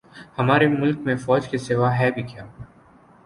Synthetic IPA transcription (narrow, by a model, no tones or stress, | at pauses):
hɐmaːɾemʊlkmẽfɔːd͡ʒkeseːʋaɦɛbʱikjaː